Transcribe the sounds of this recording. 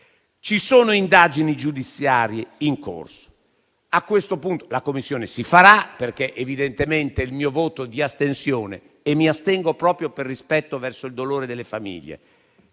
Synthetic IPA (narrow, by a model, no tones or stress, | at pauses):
t͡ʃisoːnoind̪ad͡ʒinid͡ʒud̪it̪sːjaːɾjeiŋko̰rso̥ | akːwest̪opunt̪olakomːisːjoːnesifaɾaperkeʔevid̪ent̪ement̪eilmiːovoːt̪od̪iast̪ensjoːnḛː | mːiast̪ɛŋɡopɾɔːpɾjoperːispɛt̪ːovɛrsoild̪oloːɾed̪elːefamḭʎːḛ